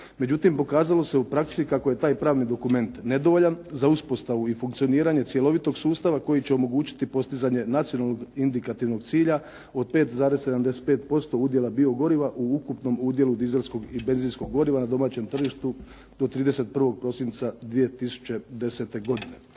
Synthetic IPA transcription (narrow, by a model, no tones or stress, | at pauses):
me̞d͡ʑut̪impo̞kaːzalo̞se̞upɾaksikako̞je̞t̪aːjpɾaːʋnid̪o̞kume̞nt̪ne̞d̪o̞ʋo̞ʎanzauspo̞st̪aʋuifuŋkt̪sio̞niːɾaɲe̞t̪sje̞lo̞ʋit̪o̞ɡsuːst̪aʋako̞jit͡ɕeo̞mo̞ɡuːt͡ɕi̥t̪ipo̞st̪izaɲe̞nat̪sijo̞nalˠnoɡind̪ikat̪iʋno̞ɡt̪siːʎa | o̞d̪̚peːt̪zaːɾesse̞d̪amd̪e̞se̥t̪̚peːt̪̚po̞st̪o̞ud̪je̞labio̞ɡo̞ɾiʋaʔuukupno̞muːd̪je̞lud̪ize̞lsko̞ɡibe̞nzinsko̞ɡːo̞ɾiʋanad̪o̞maːt͡ɕe̞mt̪r̩ʒiʃt̪u | d̪̥o̞t̪ɾiːd̪e̞se̞t̪̚pr̩ʋo̞ɡ̚pɾo̞sint̪sad̪ʋije̞t̪isu̥t͡ɕe̞d̪e̞se̞t̪e̞ɡo̞d̪ine̞